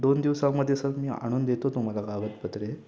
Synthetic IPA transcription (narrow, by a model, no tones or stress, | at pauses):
d̪ond̪iʋsãmːəd̪ʱːjesəkmiːa̰ɽ̃uːnd̪et̪ot̪um̤alaɡaʋət̪̚pət̪ɾe